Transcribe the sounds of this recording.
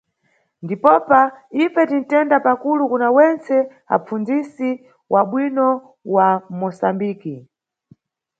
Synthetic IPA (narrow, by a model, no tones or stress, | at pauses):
ndipɔpaifɛtin̩tɛndapakulukunawɛnt͡sʰɛ | a̰p͡fund͡zisi | wʔaɓwinɔ | wamɔsambiːki